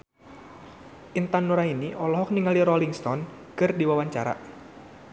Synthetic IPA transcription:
ʔint̪anːuɾainiʔɔlɔɦɔk̚niŋaliɾɔliŋst̪ɔn | kɨrdiwawaɲt͡ʃaɾa̰

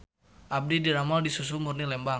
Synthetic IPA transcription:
ʔab̚didiɾamaldisus̬umurnilɛmba

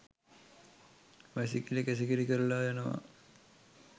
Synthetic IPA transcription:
mes̬ikilekes̬ikiɾikəɾulaːjanəʋa̰

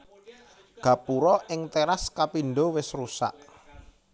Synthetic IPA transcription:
ɡ̥ä̤puɾɔʔɪŋt̪eɾaskapinɖowɪsrusa̰ʔ

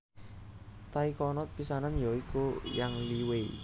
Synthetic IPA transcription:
t̪aikɔnɔt̪̚pisananjɔikojaŋliwe

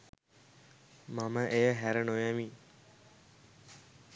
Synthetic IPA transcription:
maməʔejəɦæɾənojami

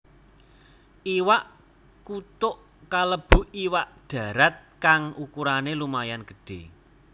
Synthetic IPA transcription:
ʔiwaʔ | kut̪ʊʔ | kaləb̥ṳiwaʔɖ̪̥a̤ɾat̪̚kaŋukuɾanelumajanɡ̥ə̥ɖ̥e̤

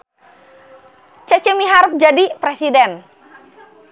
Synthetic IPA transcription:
t͡ʃət͡ʃəmiɦaɾʊp̚d͡ʒadipɾesidɛn

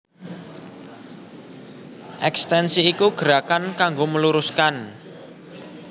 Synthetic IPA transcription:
ʔɛkst̪ɛnsiːkuɡ̥əɾakankaŋɡoməluɾʊskan

